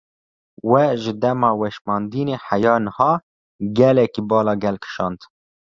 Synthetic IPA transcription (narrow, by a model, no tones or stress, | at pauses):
wɛʒɨd̪ɛmɑːwɛʃmɑːnd̪iːneːħæjɑːnəhɑː | ɡɛlɛkibɑːlɑːɡɛlkʰɨ̥ʃɑ̰ːnd̪